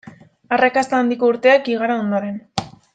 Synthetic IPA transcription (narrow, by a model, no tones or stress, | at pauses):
arakast̪aːnd̪iko̞uɾt̪e̞akiɣ̞aɾao̞nd̪oɾe̞n